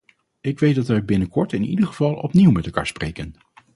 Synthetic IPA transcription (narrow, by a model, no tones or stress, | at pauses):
ɪkʋejtdɑtʋɛjbɪnəkɔɹtɪnḭdəχəv̥ɑlˠɔ̰pniwmɛtɛlˠka̰ːɹsprejkən